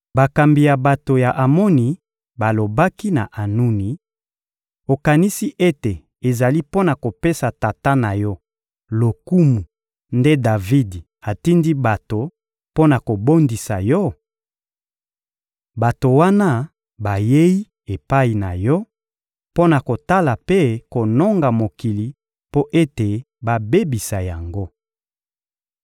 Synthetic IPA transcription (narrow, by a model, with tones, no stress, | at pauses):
ba˨ka˨mbi˨ja˨ba˨to˨ja˨ʔa˨mɔ˦ni˨ | ba˨lo˨ba˦ki˦na̰˨ʔa˨nu˦ni˨ | o˨ka˨ni˦si˦ʔe˦te˨ | e˨za˨li˦po˦na˨ko˨pe˦sa˨ta˨ta˦na˨jɔ˦ | lo˨ku˦mu˨ | nde˦da˨vi˦di˨ | a˨ti˦ndi˦ba˨to˨ | po˦na˨ko˨bo˦ndi˨sa˨jɔ˦ | ba˨to˨wa˦na˦ | ba˨je˦i˦ | e˨pa˦i˨na˨jɔ˦ | po˦na˨ko˨ta˦la˨pe˦ko˨no˦ŋɡa˨mo˨ki˨li˨ | po˦ʔe˦te˨ | ba˨be˦bi˨sa˨ja˨ŋɡo˦